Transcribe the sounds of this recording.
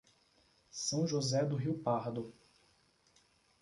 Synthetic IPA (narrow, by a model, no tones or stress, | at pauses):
sɐ̃w̃ʒozɛd̪ʊɦiwpaɾd̪ʊ